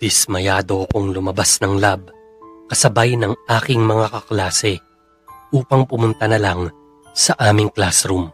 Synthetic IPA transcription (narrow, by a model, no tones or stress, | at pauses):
d̪̥ɪsmɐjaːd̪o̞kʊŋlʊmɐbasnɐŋlab̚ | kɐsɐbajnɐŋʔaːkɪŋmɐŋakɐklaːsɛ | ʔuːpɐŋpʊmʊnt̪ɐnɐlaŋ | sɐʔaːmɪŋklasɾum